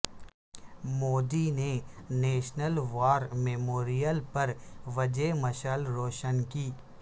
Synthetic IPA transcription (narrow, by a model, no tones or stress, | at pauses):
moːd̪ineneːʃnəlʋaːɾmeːmoːɾijəlpɐɾʋɐd͡ʒemɐʃəlɾoːʃənkiː